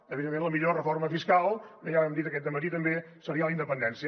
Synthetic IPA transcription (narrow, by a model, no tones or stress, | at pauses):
əβiðemːẽnləmiʎorəforməfiskalˠnəjaβəmd̪it̪əkɛt̪̚d̪əmət̪̬it̪əmbe | səɾialˠind̪əpənd̪ɛnsi